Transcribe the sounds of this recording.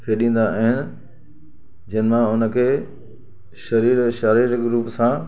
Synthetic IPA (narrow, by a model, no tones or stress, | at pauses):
kʰeːɗĩːn̆d̪aaːɦɪnɪ̆ | d͡ʑɐnɪ̆mãʊnə̆kʰeː | ʃɐɾiːɾʃaɾiːɾɡɾuːpsãː